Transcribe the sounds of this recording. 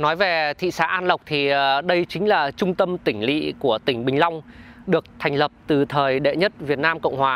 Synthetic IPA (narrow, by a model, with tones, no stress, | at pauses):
nɔ˨˦jve˨˩t̪ʰḭ˧˨saː˧˦ʔaː˧nlə˨˩wk͡p̚t̪ʰi˨˩ɗə˧jt͡ɕï˨˦ŋ̟laː˨˩t͡ɕʊ˧ŋ͡mt̪ə˧mt̪ï˧˩ŋ̟lḭ˧˨ku˧˩ət̪ï˧˩ŋ̟ɓï˨˩ŋ̟la˧wŋ͡mɗɨ˨˩ək̚t̪ʰa˨˩ŋ̟lə˨˩p̚t̪ɨ˨˩t̪ʰəː˨˩jɗḛ˧˨ɲə˦˥t̚vi˨˩ət̚naː˧mkə̰˧˨wŋ͡mhwaː˨˩